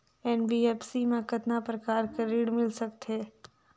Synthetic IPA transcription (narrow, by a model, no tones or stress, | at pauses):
ɛnbiɛːpsimẽkɐt̪napɾɐkaːɾkeɾiːɽmɪlsɐk̚t̪ɦɛː